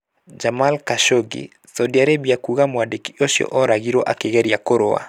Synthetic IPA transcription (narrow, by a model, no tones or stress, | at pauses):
d͡ʒamalkaʃoɡḭ | sadiaɾebiakuɣamwadekioʃjɔ̰ʔɔɾaɣiɾoʔakeɣɛɾjakoɾoa̰